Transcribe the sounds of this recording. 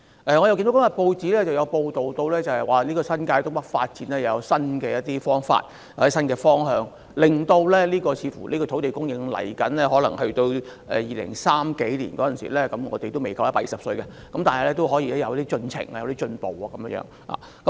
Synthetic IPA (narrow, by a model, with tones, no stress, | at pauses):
ʔɛː˨ŋɔ˨˧jɐ˨wki˧nd̪o˨˦˥kmjɐ˨t̚po˧wt͡siː˨˥lɛː˥t͡sɐ˨wjɐ˨˧wpo˧wt̪o˨wt̪o˧wlɛː˥t͡sɐ˨hɐ˨jwaː˨˩liː˥kɔː˧sɐ˥nkaː˧jt̪ʊ˥ŋpɐ˥k̚faː˧t̚t͡siː˨˥nlɛː˥jɐ˨˧sɐ˥nkɛː˧jɐ˥t̪̚iː˥fɔː˥ŋfa̰ː˧˨t̚ | jɐ˨˩˥sɐ˥nkɛː˧fɔː˥ŋɦœː˨˧ŋ | lɪ˨˩ŋt̪o˧wlɛː˥liː˥kɔː˧t͡sʰiː˨˧fṵː˨˩liː˥kɔ˧t̪ʰo˨˥wt̪e˨jkʊ˥ŋjɪ˨ŋlɐ̰˨˩jkɐ̰˨˥nlɛː˥ɦɔː˨˥lɐ˨˩ŋhɵ˧ɥt̪o˧wʔɛ̰˨jiː˨lɪ̰˨˩ŋsaː˥mke˨˥jlḭː˨˩nkɔː˨˥jɐ˨nsḭ˨˩lɛː˥kɐ˨˥mŋɔ̰ː˨˧t̪e˨jt̪o˥wme˨˩jkʰa˧wjɐ˥paː˧˥jiː˨sɐ˨psɵ˧ɥkɛ˧ | kɐ˨˥mt̪aː˨nhɐ˨lɛː˥t̪o˥wɦɔ˨˥jiː˧lɛ˥jɐ˨˧wjɐ˥t̪i˥t͡ʃɵ˧nt͡sʰɪ̰˨˩ŋaː˨jwt̪i˥t͡ʃɵ˧npo˨waː˨˧kɐ˨˦mjŋjœ̰ː˨˧˥ŋla̰ː˨˩ | kɐ˦˥m